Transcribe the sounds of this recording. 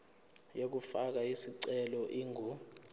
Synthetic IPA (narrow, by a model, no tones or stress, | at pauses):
jek̬ufak̬aisiǀɛlɔʔiːŋu